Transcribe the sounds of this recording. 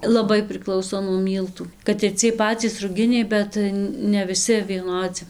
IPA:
lˠɐˈbɐɪ pʲrʲɪˈklˠɐʊsoː nuɔ ˈmʲiːlˠtuː kɐt ɪr ˈt͡sʲiɛj ˈpɑːt͡sʲiːs rʊˈɡʲɪnʲɛɪ ˈbʲɛt nʲɛ ʋʲɪˈsʲɪ ʋʲiɛˈnoːd͡zʲɪ

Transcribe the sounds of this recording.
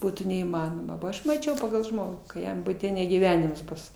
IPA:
ˈbuːtuː nʲɛiːˈmɑːnoːmɐ boː ˈɐʃ mɐˈt͡ʃʲɛʊ pɐɡɐlˠ ˈʒmoːɡuː kɐ ˈjɛm bʊˈtʲɛ nʲɛ ɡʲiːˈʋʲæːnʲɪms ˈbʊs

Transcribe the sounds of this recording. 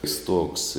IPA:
ɪ ˈstuɔks

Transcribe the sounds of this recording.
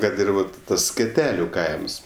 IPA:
ˈkɐt ɪr ˈʋɐt ˈtɐs sʲkʲɛˈtʲæːlʲʊ ˈkɐɪms

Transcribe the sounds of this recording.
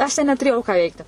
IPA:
ɐʃ tʲɛn nʲɛtʊˈrʲeːjɛʊ kɑː ˈʋʲɛɪktʲɪ

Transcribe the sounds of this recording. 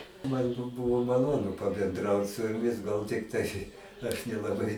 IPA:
ˈmɐn bʊ ˈbʊʋoː mɐˈlˠoːnʊ pɐbʲɛnˈdrɐʊt sʊ jʊˈmʲɪs ˈɡɐlˠ tʲɪkˈtɐɪ ɐʃ nʲɛlˠɐˈbɐɪ

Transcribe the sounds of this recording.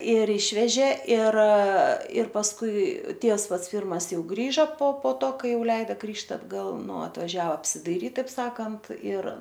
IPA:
ɪr ˈɪʃʲʋʲɛʒʲeː ɪr ɪr pɐsˈkʊɪ ˈtʲiɛws ˈpɐts ˈpʲɪrmɐs ˈjɛʊ ˈɡrʲiːʒɐ poː poː ˈtoː ˈkɐɪ ˈjɛʊ ˈlʲɛɪdɐ ˈɡrʲiːʃt ɐdɡˈɐlˠ ˈnʊ ɐtʋɐˈʒʲæːʋɐ ɐpʲsʲɪdɐɪˈrʲiːt tɐɪp ˈsɑːkɐnt ɪr

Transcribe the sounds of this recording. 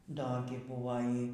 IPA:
ˈdoː ɡʲɪ ˈbʊʋoː ˈiː

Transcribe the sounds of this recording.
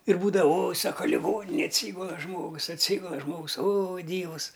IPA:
ɪr ˈbuːdɐʋɐ oːj ˈsɑːkɐ lʲɪˈɡoːnʲɪnʲeːj ɐtʲˈsʲiːɡʊlˠɐ ˈʒmoːɡʊs ɐtʲˈsʲiːɡʊlˠɐ ˈʒmoːɡʊs oː ˈdʲiːʋʊs

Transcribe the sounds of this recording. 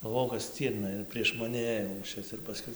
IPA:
ɡɐlˠˈʋoːjɛʊ kɐt ˈsʲtʲiːrnɐ ɪr pʲrʲiɛʃ mɐˈnʲɪ ˈeːjoː lˠuːˈʃʲɪs ɪr pɐˈskʊɪ

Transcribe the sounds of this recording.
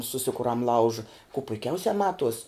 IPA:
sʊˈsʲɪkʊrɐm ˈlˠɐʊʒɐ kʊ pʊɪˈkʲɛʊsʲɛ ˈmɑːtuɔsʲ

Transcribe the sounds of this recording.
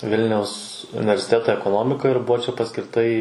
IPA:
ˈʋʲɪlʲnʲɛʊs ʊnʲɪʋʲɛrʲsʲɪˈtʲæːtɐ ɛkoːˈnoːmʲɪkɐ ɪr ˈbʊʋoː ˈt͡ʃʲɛ pɐsʲkʲɪrˈtɐ iː

